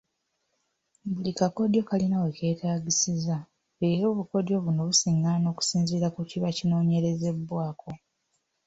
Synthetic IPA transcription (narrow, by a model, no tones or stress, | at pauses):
bulikako̞djo̞kalinaweke̞ːtʰaːɟisiza | βeɾo̞ːβuko̞djo̞βuno̞βusiŋano̞ːku̥siːnziɾakuciβacino̞ːɲe̞ɾe̞ze̞bwaːkʰo̞